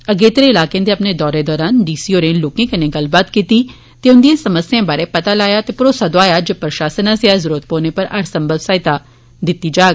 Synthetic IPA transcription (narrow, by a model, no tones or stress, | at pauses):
əɡeːt̪ɾeɪlaːkejãːd̪eɐpned̪ɔːɾed̪ɔːɾaːnɖiːsiːoːɾẽloːkẽːkɐnẽɡəlbaːt̪kiːt̪iː | t̪eːʊnd̪ijãːsəməsjãːbaːɾeːpɐt̪aːlaːjaːt̪eːpɾoːsaːd̪oaːjaːd͡ʒepɾəʃaːsənãseazəɾuːɾət̪̚poːnepəɾaɾsə̃mbʱəbsaːɪt̪a | d̪ɪt̪ːiːd͡ʒaːɡ